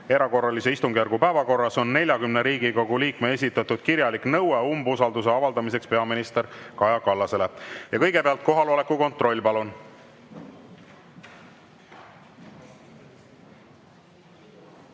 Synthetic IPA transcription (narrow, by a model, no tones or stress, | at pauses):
e̞ɾɑko̞rːɑlise̞ist̪uŋɡ̥ijærɾɡupæevɑko̞rːɑso̞nːe̞lʲjɑkymneɾiːɡiko̞ɡuliːkme̞es̬ʲit̪ˑːɑt̪ud̪̥kiɾjɑliknɤweumbusɑld̪use̞ɑvɑld̪ɑmise̞kspe̞ɑminist̪e̞ɾkɑjɑkɑlːɑse̞le̞jɑkɤjɡe̞peɑlt̪̚ko̞ɦɑlole̞kːuko̞nt̪ˑro̞lʲːpɑlun